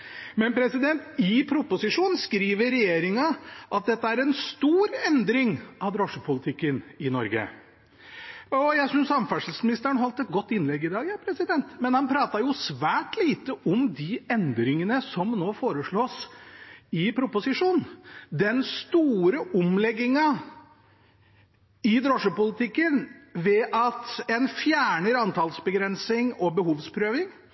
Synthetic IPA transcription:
mɛnpʰɾɛsɪd̪ɛnt̪ɪpʰɾʊpʊsɪʂuːnnskɾiːʋəɾɛjeːɾɪŋɑʔɑt̪̚d̪ɛt̪ːəæɾɛnst̪uːɾɛnd̪ɾɪŋɑʋd̪ɾɔʂəpʰʊlɪt̪ʰɪkːənɪnɔɾɡə̰ | ɔjæɪsʏnsɑmfæʂl̩smɪnɪst̪əɾəɳɦɔlt̪ɛt̪̚ɡɔt̪ːɪnlɛɡːɪd̪ɑːɡjɑːpʰɾɛsɪd̪ɛnt̪mɛnhɑnpʰɾɑːt̪ɑjʊsʋæːʈliːt̪əʔɔmd̪ɪɛnd̪ɾɪŋənəsɔmnoːfoːɾəʂɭoːs | ɪpʰɾʊpʊsɪʂuːnd̪ɛnst̪uːɾəʔʊmlɛɡːɪŋɑ | ɪd̪ɾɔʂəpʊlɪt̪ʰɪkːənʋɛʔɑt̪ɛnfjæːɳəɾɑnt̪ʰɑlsbəɡɾɛnsɪŋɔbəɦuːʋspʰɾøːʋɪŋ

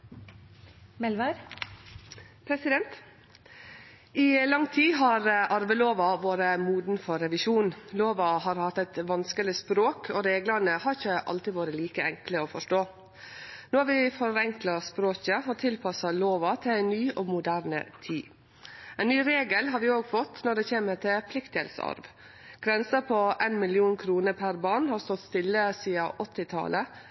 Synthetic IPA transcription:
mɛlʋəɾ | pʰɾɛsɪd̪ɛnt̪ | ʔilɑŋt̪ʰiːɦɑɾʔɑɾʋəloːʋɑʋoːɾəmuːd̪n̩fɔɾːɛʋɪʃuːnloːʋɑhɑːɾhɑt̪ːɛt̪ʋɑnskəlɪspɾoːkʰoɾeːɡlɑnəhɑɾɪçəʔɑ̰lt̪ɪʋoːɾəliːkəɛŋkləoːfɔʂʈoː | noːɑɾʋɪfɔɾɛŋklɑspɾoːçəɔt̪ʰɪlpʰɑsɑloːʋɑt̪ʰɪlæɪnyːʔoːmʊd̪æːɾnə̰t̪ʰiː | ɛɪnnyːɾeːɡəlɦɑɾʋɪoːɡfɔt̪ːnɔɖɛçeːməɾt̪ɪpʰlɪkt̪ɪhɛ̰lsɑ̰ɾʋ | ɡ̥ɾɛnsəpʰɔʔenmɪlɪuːnkʰɾuːnəɾpʰæɾbɑːɳhɑɾst̪ɔt̪st̪ɪlːəsiːɑ̰ʔɔt̪ːɪt̪ʰɑ̰lʔə

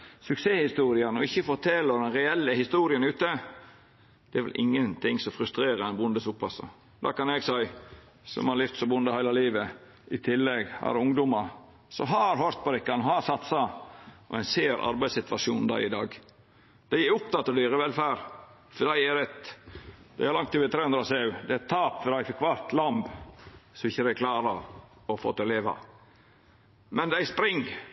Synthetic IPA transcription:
sʉkseːhɪst̪uːɾɪənɔɪçːəfɔɾt̪ʰɛlːəd̪ɛnɾɛɛlːəhɪst̪uːɾɪənʉːt̪ə | d̪̥ɛæɾʋɛ̰lʔɪ̰ŋːənt̪ʰɪŋsɔfɾʉst̪ɾeːɾəɛnbʊnd̪əsʊpʰːɑsɑ̰ | d̪ɑ̰ːkɑnɛɡsæɪ | sɔ̰mhɑɾlɪft̪sɔbʊnd̪əhæɪlɑliːʋə | ʔɪt̪ʰɪlːɛɡhɑ̰ɾʊŋd̪ʊmɑɾ | sɔ̰ɦɑɾɦœɾt̪̚pɔɾɪkːɑnɦɑsɑt̪sɑʔɔ̰æɪnseːɾʔɑ̰ɾbæɪsɪt̪ʋɑʃuːnd̪æ̰ɪd̪ɑːɡ | d̪̥æɪæɾʊp̚t̪ʰɑt̪ːɔd̪yːɾəʋɛlfæːɾ | fɔɖ̪æɪæɾɛt̪ | d̪̥æɪhæɾlɑŋt̪ːʉːʋɪt̪ʰɾeːʉnd̪ɾɑsɑʉd̪ɛɛt̪ʰːɑːpfɔɖ̪æɪfɪkːʋæɾt̪lɑmbsɔmɪçːəd̪ækʰlɑːɾɑ | ɔfo̰ːt̪ːɪleːʋɑ̰ | mɛnd̪æɪspɾɪŋ

